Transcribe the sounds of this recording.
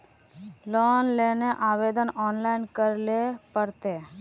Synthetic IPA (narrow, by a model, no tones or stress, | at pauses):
lɔnleneʔabed̪ɔnɔnlajnkəɾlepəɾt̪e